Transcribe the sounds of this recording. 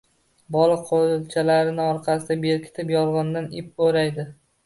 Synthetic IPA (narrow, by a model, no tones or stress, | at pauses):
bɒlˠɪqʰolt͡ʃʰalaɾɪnɪɒɾqʰɑsɪd̪abe̞ɾkʲʰɪ̥t̪ʰɪpjɒlˠʁɒnd̪anɪp̚ːoɾajd̪ɪ